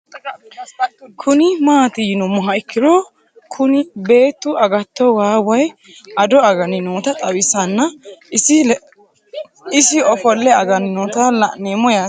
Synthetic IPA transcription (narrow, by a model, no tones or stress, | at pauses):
kʰʊnɪmaːt̪ɪjɪnʊmʊɦɐɪkːɪd̪ɔ | kʰʊnɪbe̞ːt̪ːʊʔɐɡɐt̪ːɔwaːwɐj | ʔɐd̪ɔɐɡɐnɪnoːt̪ɐt̪ʼɐwɪsɐnːɐɪ | ɪsɪɔfɔlːɛɐɡɐnɪnoːt̪ɐlɐʔneːmɔjaː